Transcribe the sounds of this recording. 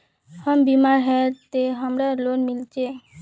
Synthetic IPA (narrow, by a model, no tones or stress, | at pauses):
hambimaɾɦɛt̪eɦamɾalonmilt͡ʃʰe